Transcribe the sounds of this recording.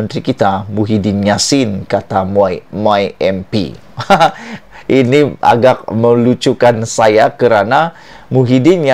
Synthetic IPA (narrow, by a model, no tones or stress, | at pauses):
ənt̪ɾikit̪amuɦidɪnjasɪnkat̪ammajɛmpḭ | ʔiniʔa̰ɡak̚məlut͡ʃukansajakəɾana | muɦidɪnja